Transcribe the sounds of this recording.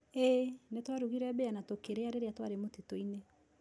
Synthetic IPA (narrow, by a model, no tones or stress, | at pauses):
enetwaɾuɣiɾɛbeanatokeɾeaɾeɾeatwaɾemotetoine